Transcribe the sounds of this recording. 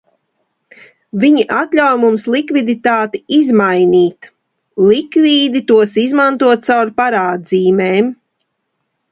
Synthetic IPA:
viɲiʔat̪ʎʲawjmumslˠikvid̪it̪aːt̪iizmajniːt̪ | lˠikviːd̪it̪uɔsizmant̪uɔt̪̚sawɾpaɾaːd̪ziːmɛːm

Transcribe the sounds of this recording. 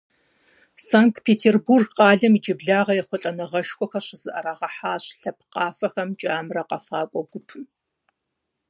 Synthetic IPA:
saːŋk̚tʰpʰeːtʰeːrburɡqɑːɮɐmid͡ʒɪbɮaːʁɐjɛχʷɔɬʼɐnɐʁɐʃxʷʼɔxɐɕɪz̥ɨʔɐɾaːʁɐħaːɕɬɐp̚ʰqɑːfɐxɐmt͡ʃʼaːmrɐqɐfaːkʷʼɔɡʷʊpʰ

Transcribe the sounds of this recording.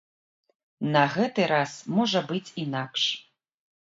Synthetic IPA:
nɐɣɛt̪ɨɾasmɔʐɐbɨt͡sʲinakʂ

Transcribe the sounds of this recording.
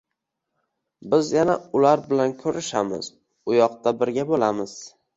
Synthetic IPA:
bɪzjanaʊlaɾbɪlankʰɵɾɪʃamɪ̰z̥ | ʊjɒq̚t̪abɪɾɡʲabolamɪz̥

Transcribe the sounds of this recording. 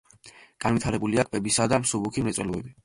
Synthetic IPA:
ɡ̥anvwit̪ʰaɾɛbuliakʼwɛbisad̪amsubukʰimɾɛt̪sʼwɛ̰lɔɛbi

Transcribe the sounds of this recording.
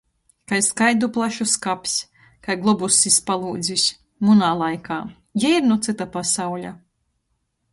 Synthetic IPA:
kajskajd̪uplˠaʃuskapʲsʲ | kajɡlˠɔbusːispalˠuːd̪zʲisʲ | munaːlˠajkaː | jaiɾnut̪sɨt̪apasawlʲa̰

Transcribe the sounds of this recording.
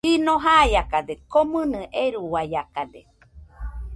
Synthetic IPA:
inoɦajakadekomɨnɨʔeɾuwajakadḛ

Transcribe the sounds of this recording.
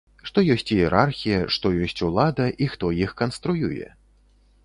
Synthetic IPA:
ʂt̪ɔjɔsʲt͡sʲiɛɾarxʲijɐʂt̪ɔjɔsʲt͡sʲulˠad̪ɐʔixt̪ɔjixkɐnst̪ɾujujɛ̰

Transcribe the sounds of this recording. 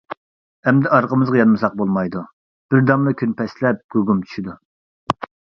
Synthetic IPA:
ɛmd̪ɛɑɾqəmɨzʁɑjɑnmɨsɑq̚bolˠmɑjd̪u | b̥ɪɾd̪ɑmlˠɨkʲʰynpɛslɛp̚ɡ̥ʲøɡumt͡ʃʰy̥ʃid̪u

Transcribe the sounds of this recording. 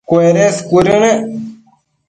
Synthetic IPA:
koeɾẽskuɾene

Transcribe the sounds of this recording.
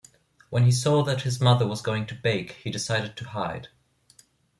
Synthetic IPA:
wə̃nisɔðɨt̚hɨzmʌðə˞wʌzɡoʊɪ̃ŋtʰɨbeɪkhidɨsaɪɾɨd̚tʰɨhaɪd̥

